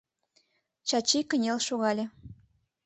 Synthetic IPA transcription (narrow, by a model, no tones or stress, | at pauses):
t͡ɕɑt͡ɕikə̆nʲelʃoɣɑlʲe